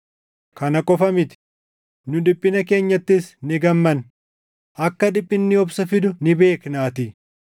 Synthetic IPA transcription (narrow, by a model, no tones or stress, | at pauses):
kɐnɐkʼɔfɐmɪt̪ɪ̥ | nʊᶑɪpʼːɪnɐke̞ːɲːɐt̪ːɪsnɪɡɐmːɐn | ɐkːɐᶑɪpʼːɪnːɪɔbsɐfɪd̪ʊnɪbe̞ːknaːt̪ɪ